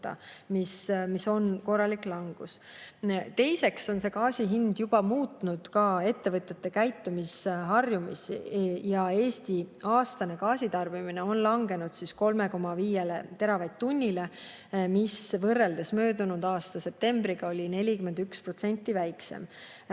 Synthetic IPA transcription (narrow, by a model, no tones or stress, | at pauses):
t̪ːɑ̰mismiso̞nko̞rːɑlikˑlɑŋɡ̥us | t̪e̞jse̞kso̞nse̞kɑːsiɦind̪jub̥ɑmuːt̪ˑnud̪̥kɑe̞t̪ːe̞vɤt̪ʲjet̪ːe̞kæjt̪ːumisɦɑrjumisjɑe̞ːst̪iɑːst̪ɑne̞kɑːsit̪ɑrb̥imine̞o̞nlɑŋɡ̥e̞nud̪̥sisko̞lme̞ko̞mːɑviːje̞let̪e̞ɾɑvɑjd̪̥̚t̪unʲːile̞ | misvɤrːe̞ld̪e̞smø̞ːd̪unud̪ɑːst̪ɑse̞p̚t̪e̞mbɾiɡ̥ɑo̞lʲine̞lʲikymend̪ykspro̞t̪se̞nʲt̪ːˑivæjkse̞̰m